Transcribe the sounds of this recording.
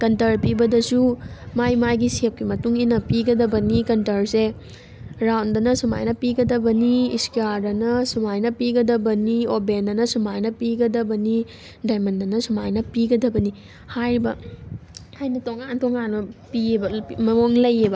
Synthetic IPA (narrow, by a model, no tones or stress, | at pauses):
kɐntɐɾpibɐdɐsumajmajɡisep̚kimɐtuŋinɐpiɡɐdɐbɐnikɐntɐɾse | ɾawndɐnɐsuma̰jnɐpiɡɐdɐbɐniiskiaɾdɐnɐsumajnɐpiɡɐdɐbɐniobendɐnɐsumajnɐpiɡɐdɐbɐni | dajmɐndɐnɐsumajnɐpiɡɐdɐbɐni | hajɾibɐ̰ | hajnɐtoŋantoŋanːɐpiebɐmɐmoŋlɐjebɐ